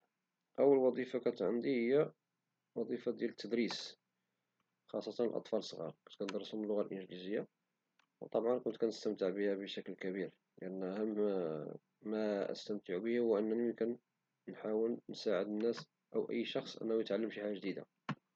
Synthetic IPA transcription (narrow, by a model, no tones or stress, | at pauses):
ʔəwːəlwɑd̪ˤifakæt̪ʕənd̪ihəjːæ | wɑd̪ˤifad̪jælət̪ʰːəd̪ɾis | xɑsˤːɑt̪ɑnəlʔɑ̰t̪ˤfɑləsˤɣɑ̰ɾˤkʊnt̪̚kænəd̪ɾˤəsʊməlːʊɣalʔənʒlizəjːa | wt̪ˤɑbʕɑnkʊnt̪kænəst̪əmt̪əʕbəhæbəʃæklkæbiɾ | ləʔənːhəm | æʔə̰st̪əmt̪əʕubəhʊwʔənːnikænː | ħawəlnsaʕəd̪ənːæs | ʔəwʔə̰jːʃɑxsˤʔə̰nːæhujət̪ʕalːəmʃiħaʒæʒd̪id̪a̰